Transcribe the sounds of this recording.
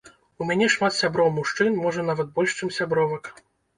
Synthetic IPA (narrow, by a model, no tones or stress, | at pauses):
umʲanʲɛʂmat̪sʲabɾɔwmuʂt͡ʂɨnmɔʐɐnavɐt̪̚bɔlʲʂt͡ʂɨmsʲabɾɔvɐk